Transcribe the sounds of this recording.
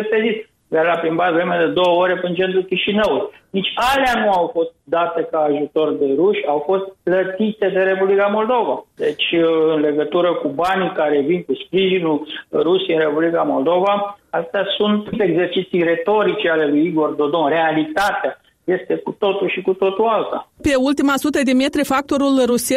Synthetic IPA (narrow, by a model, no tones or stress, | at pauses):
epezit̪ | d̪aɾlapɾinbat̪vɾemed̪e̞d̪o̞wəoɾepint͡ʃe̞nt̪ɾukʲiʃinəwulujnit͡ʃʲaleanuawfo̞st̪̚d̪at̪e̞kaːʒut̪o̞rd̪e̞ɾuʃʲawfo̞st̪̚plət̪it̪e̞d̪e̞ɾe̞publikamo̞ld̪o̞vad̪e̞t͡ʃʲɨnle̞ɡət̪uɾəkubanikaɾe̞vinkuspɾiʒinurusiɨnre̞publikamo̞ld̪o̞vaast̪easunt̪t̪eɡze̞rt͡ʃit̪sijre̞t̪o̞ɾit͡ʃeale̞lujiɡo̞rd̪o̞d̪o̞nre̞alit̪at̪ea | je̞st̪e̞kut̪o̞t̪ulʃikut̪o̞t̪ualt̪a̰pe̞ult̪imasut̪əd̪emet̪ɾifak̚t̪o̞ɾulruse